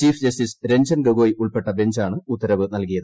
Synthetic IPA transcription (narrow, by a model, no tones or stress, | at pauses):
t͡ɕiːfd͡ʑɐstisɾe̞nd͡ʑɐnɡɐɡoːjʔuɭpe̞ʈːɐbe̞ɲd͡ʑaːɳɨut̪ːɐɾɐʋɨnɐlkijɐðɨ